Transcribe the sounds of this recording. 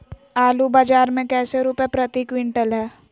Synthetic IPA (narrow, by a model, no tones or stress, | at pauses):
aːlubaːd͡ʒaːɾmẽkɛːseɾuːpepɾɐt̪iːkwɪ̃ɳʈəlɦɛː